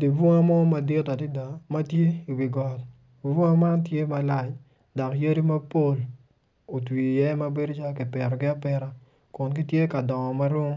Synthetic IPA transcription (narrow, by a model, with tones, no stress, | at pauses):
di˨bɔ˦ŋa˦mɔ˦ma˨dɪ˦ta˨di˦da˨ma˦tje˦i˨wi˨ɡɔ˨l | i˨bɔ˦ŋa˦ma˦ntje˦ma˨la˦˨t͡ʃ | dɔ˨kje˦ɾi˦ma˦po˦l | o˨twi˨jɛ˦ma˦be˦do˦t͡ʃa˦kɪ˨pɛ˨ɾɔ˨ɡɪ˦a˦pɛ˨ɾa˦ | kʊ˨nkɪ˦tje˦ka˨dɔ˨ŋɔ˨ma˦ɾo˦ŋ